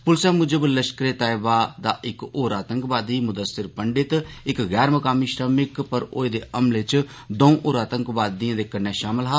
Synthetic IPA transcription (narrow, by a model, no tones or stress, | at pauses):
pʊlsɛːmʊd͡ʒəbələʃkɾeːt̪aːɪbaːd̪aːʔɪkoːɾaːt̪əŋkbaːd̪iːmʊd̪əsɪɾpəɳɖɪt̪ɪkɣɛːɾməkaːmiːʃɾəmɪkpəɾo̰ːeːd̪eːʔəmlet͡ʃ | d̪õũʔoːɾaːt̪əŋkʋaːd̪ijãːd̪eːkənːeːʃaːməlɦaː